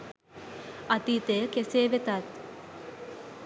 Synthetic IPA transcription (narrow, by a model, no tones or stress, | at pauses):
at̪iːt̪ejəkeseːʋet̪at̪